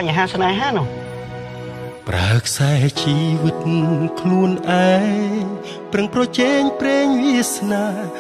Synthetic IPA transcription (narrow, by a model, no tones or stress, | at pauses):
aɲɦaːsnaɛɦanɔ | pra̰əkʰsaɛt͡ɕiːʋɨt̪̚nkʰluənʔaɛŋŋ | prɨŋprɑt͡ɕɛːŋpreːŋʋiəsnaː